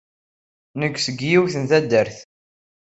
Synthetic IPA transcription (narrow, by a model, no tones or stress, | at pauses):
nəɡʷːsəɡjiwθənθæd̪ːəɾθ